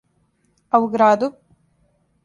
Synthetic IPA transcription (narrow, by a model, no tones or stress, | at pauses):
ɐwɡɾaːd̪u